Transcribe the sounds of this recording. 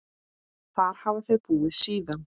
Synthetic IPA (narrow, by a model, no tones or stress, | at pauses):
θaɾ̥havaθœðpuːɪðsiːðan